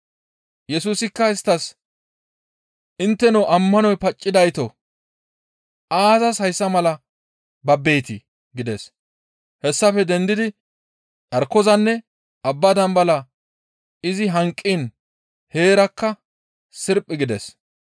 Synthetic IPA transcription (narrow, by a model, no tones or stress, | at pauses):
jɛsuːsɪkːɐɪst̪ːɐs | ʔɪnt̪ːɛnɔʔɐmːɐnɔjpɐt͡ʃʼːɪd̪ɐjt̪ɔ | ʔaːzɐshɐjsːɐmɐlɐ | bɐbeːt̪ɪ | ɡɪd̪ɛs | hɛsːɐfɛd̪ɛnd̪ɪd̪ɪ | ᶑ̪ɐɾkːɔzɐnːɛ | ʔɐbːɐd̪ɐmbɐlɐ | ɪzɪɦɐŋkʼːin | he̞ːɾɐkːɐ | sɪɾpʼːɪɡɪd̪ɛs